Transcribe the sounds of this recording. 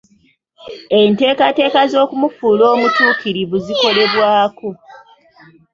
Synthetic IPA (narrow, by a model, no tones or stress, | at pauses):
e̞nte̞ːkate̞ːkazo̞ːkumufuːlo̞ːmutuːkiɾiβuziko̞le̞βwaːko̞